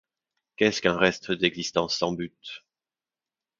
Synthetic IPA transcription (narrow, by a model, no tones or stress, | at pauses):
kɛskɛ̃ʁɛst̪əd̪ɛɡzist̪ɑ̃sːɑ̃byt̪